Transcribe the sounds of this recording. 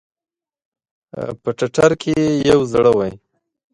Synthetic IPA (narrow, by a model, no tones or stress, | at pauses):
pəʈaʈaɾkʰejawzɽəwaj